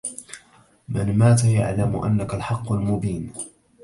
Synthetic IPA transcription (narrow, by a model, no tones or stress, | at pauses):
mɪnmaːt̪ajaʕlamʊʔa̰nːakalħɑqːʊlmʊbiːn